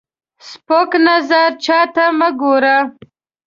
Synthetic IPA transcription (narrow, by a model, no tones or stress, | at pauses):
spoknazaɾt͡ʃɑt̪aməɡoɾa